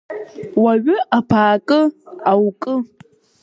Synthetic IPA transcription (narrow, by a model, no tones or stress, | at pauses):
waɥʏʔapʰaːkʼɨawkʼɨ